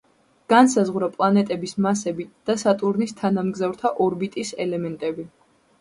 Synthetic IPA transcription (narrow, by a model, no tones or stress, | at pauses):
ɡ̥ansazʁɾapʼlˠanɛt̪ʼɛbismasɛbid̪̥asat̪ʼuɾnist̪ʰanamɡzavɾt̪ʰaʔɔɾbit̪ʼisɛ̰lɛmɛnt̪ʼɛbi